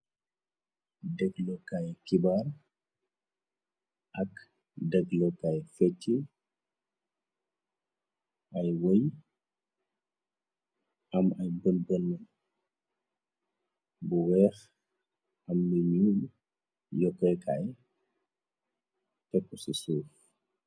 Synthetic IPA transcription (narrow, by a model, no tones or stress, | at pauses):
dɛɡlɔkajkibar | ʔɐk | dɛɡlɔkajfɛtːi | ʔɐjwoj | ɐmɐjbənbənːɐ | buwɛːx | ɐmːəɲuːl | jɔkːɔjkʰa̰j | tɛkːusisuːx